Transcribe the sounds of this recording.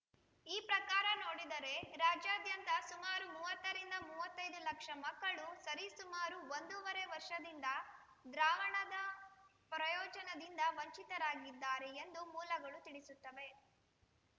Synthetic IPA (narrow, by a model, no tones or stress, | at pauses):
iːpɾɐkaːɾɐno̞ːɽid̪ɐɾe̞ɾaːd͡ʒjaːd̪jɐnt̪ɐsumaːɾumuːʋɐt̪ːɐɾind̪ɐmuːʋɐt̪ːɐjd̪ulɐkʂɐmɐkːɐɭusɐɾisumaːɾuʋond̪uʋɐɾe̞ʋɐɾʂɐd̪ind̪ɐ | d̪ɾaːʋɐɳɐd̪ɐ | pɾɐjɔːd͡ʒɐnɐd̪ind̪ɐʋɐɲt͡ʃit̪ɐɾaːɡid̪ːaːɾeend̪umuːlɐɡɐɭut̪iɽisut̪ːɐʋe̞